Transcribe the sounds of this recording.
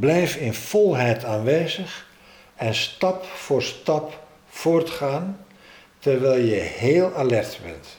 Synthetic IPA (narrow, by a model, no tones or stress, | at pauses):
blɛjfɪnv̥ɔlˠɦɛjtaːnʋejzəχ | ɛnstɑpfʊːrstɑp | fʊːrtχaːn | tərʋɛjlˠjəheːlˠalɛrtbɛ̰nt